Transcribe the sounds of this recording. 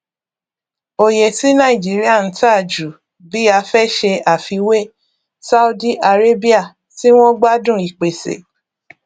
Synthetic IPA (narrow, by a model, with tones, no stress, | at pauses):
o˨je˨ti˦nã˦˨i˨d͡ʒi˨˦ɾi˦a˦˨n̩˨˦ta˦˨d͡ʒu˨ | bi˨˦a˧fɛ˦ʃe˧a˨fi˧we˦ | sa˦u˧˦di˦ʔa˧ɾe˦bi˦a˦˨ | ti˦w̃ɔ̃˦ɡ͡ba˦dũ˦˨i˨k͡pe˨sḛ˨